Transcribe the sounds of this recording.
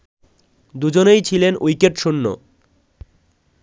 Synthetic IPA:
d̪ud͡ʑonejt͡ɕʰilenojkeʈʃunːo̰

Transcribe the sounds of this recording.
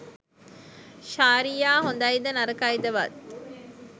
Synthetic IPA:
ʃaːɾijaːɦond̪ɐid̪ənɐɾəkaid̪ɐʋɐt̪

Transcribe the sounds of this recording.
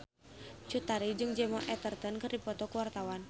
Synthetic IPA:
t͡ʃut̪aɾid͡ʒɨŋd͡ʒɛmɔʔɛt̪ərt̪ənkɨrdipɔt̪ɔkuwart̪awan

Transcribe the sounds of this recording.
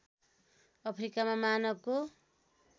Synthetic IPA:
ʌpʰɾikamamanʌb̚ko

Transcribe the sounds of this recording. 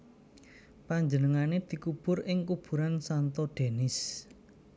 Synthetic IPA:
paɲd͡ʒənəŋaned̪̥i̤kub̥ʊ̤rɪŋkub̥ṳɾansant̪ɔɖ̪̥e̤nɪs

